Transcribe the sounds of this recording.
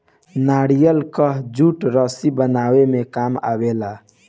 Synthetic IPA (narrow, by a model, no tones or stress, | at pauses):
naɽijəlkəɦd͡ʒuʈɾəsibənawemekama̰bela